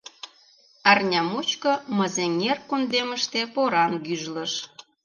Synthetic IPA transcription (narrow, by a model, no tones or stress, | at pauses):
ɑrnʲɑmut͡ɕkɤ̆məzeŋerkund̪eməʃt̪epoɾɑnɡyʒlə̆ʃ